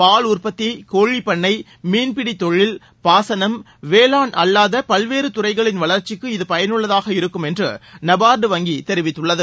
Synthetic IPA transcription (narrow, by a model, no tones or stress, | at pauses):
paːɭʊrpɐt̪ːikoːɻipɐɳːɐɪ | miːnpɪɽit̪ːɔɻɪl | paːsɐnɐm | ʋeːlaːnɐlːaːðɐpɐlʋeːɾɯt̪ʊrɐɪɣɐɭɪnʋɐɭɐɾt͡ʃːɪkːɯɪðɯpɐjɐnɯɭːɐðaːɣɐɪɾɯkːɯmɛndrɯ̰nɐbaːɾɖɯʋɐŋɡit̪ɛɾɪʋɪt̪ːɯɭːɐðɯ